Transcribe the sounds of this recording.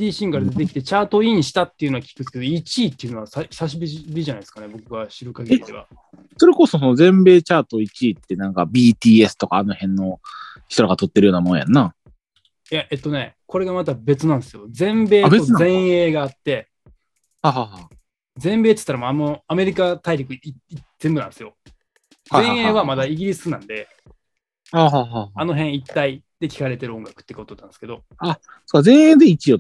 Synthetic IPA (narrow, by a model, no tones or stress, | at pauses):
d̪ʲiːɕĩŋkaɾad̪e̞t̪e̞kʲi̥t̪e̞t͡ɕaːt̪o̞iːɲ̟iɕi̥t̪at̪ːe̞iɯ̟noakʲi̥kɯ̟̥ked̪o̞it͡ɕiːt̪ːe̞iɯ̟noasasaɕ̬ibʲibʲiʑanaieskanebo̞kɯ̟βaɕiɾɯ̟kaɡeieβa̰ | so̞ɾe̞ko̞sosono̞zẽ̞mbe̞ːt͡ɕaːt̪o̞it͡ɕiːt̪ːe̞nãŋkabʲiːt̪ʲiːe̞sɨ̥t̪o̞kaːno̞hẽ̞nːo̞çi̥t̪oɾaɡat̪o̞t̪ːeɾɯjo̞ːnamo̞nja̰nːa | jaʔe̞t̪ːo̞ne̞ko̞ɾe̞ɡamat̪abe̞t͡sɨnãñsɨjo̞d͡zẽ̞mbe̞ːeozẽ̞e̞ːɡaːt̪ːe̞ | haːɦaɦa | d͡zẽ̞mbe̞ːt̪ɨ̥t̪ːaɾamoamoame̞ɾʲikat̪aiɾʲikɯ̟iiz̥e̞mbɯnã̰nd̪esɨjo̞ | d͡zẽeːβamad̪aiɡʲiɾʲisɨnã̰nd̪e̞ | haːɦaːɦaano̞ɦẽɰ̃it̪ːaid̪̥e̞kʲi̥kaɾe̞t̪eɾɯõ̞ŋɡakɯ̥ːekot̪ot̪ːand̪ske̞d̪o̞ | a | sokːazẽɰ̃edẽikʲijo